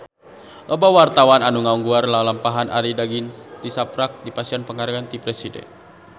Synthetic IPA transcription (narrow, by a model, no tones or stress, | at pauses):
lʔɔbawart̪awananuŋauŋɡuarlalampaɦana̰ɾidaɡint̪isapɾak̚dipasianpəŋarɡant̪ipɾɛsidɛ̰n